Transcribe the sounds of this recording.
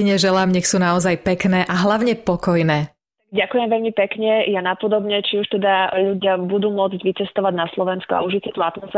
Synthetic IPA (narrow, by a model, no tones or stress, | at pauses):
iɲɛʒɛlaːmɲɛxsuːnaɔzajpɛknɛːʔaɦlaʊɲɛpɔkɔjnɛː | taɡɟakujɛmʋɛʎmipɛkɲɛjanapɔd̪ɔbɲɛt͡ʃiuʃt̪ɛd̪aʎuɟɪabud̪uːmʊɔd͡zɟʋit͡sɛst̪ɔʋaɟnaslɔʋɛnskɔa̰uʒit͡sɛt̪uat̪mɔsfɛ